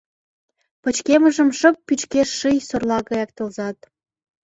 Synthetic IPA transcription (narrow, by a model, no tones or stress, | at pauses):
pət͡ɕkeməʒəmʃə̆p̚ːyt͡ɕkeʃːɯjsorlɑɣɑjɑk̚t̪ə̆lzɑt̪̚